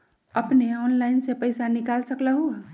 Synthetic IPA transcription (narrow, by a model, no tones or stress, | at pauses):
əpneɔnlaɪnsepəɪsanikalsəkləɦu